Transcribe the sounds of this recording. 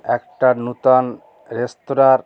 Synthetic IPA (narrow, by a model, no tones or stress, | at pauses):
ɛkʈanut̪an | ɾest̪oɾaɾ